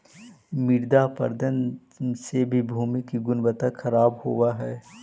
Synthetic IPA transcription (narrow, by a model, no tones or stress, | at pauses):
mɪɽd̪apə̰ɾd̪ən | sebʱibʱuːmikiɡʊnbət̪axʰɐɾaːbhowaɦɛː